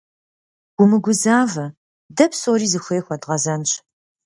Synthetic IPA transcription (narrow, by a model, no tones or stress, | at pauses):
ɡ̥ʷʊmɨɡʷʊzaːvɐ | dɐpsoːɾiːzɨxʷeːxʷɐdʁɐzɐnɕ